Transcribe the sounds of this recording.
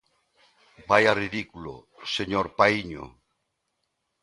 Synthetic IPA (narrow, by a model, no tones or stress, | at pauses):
bajariðikulo̰ | seɲoɾpaiɲo̰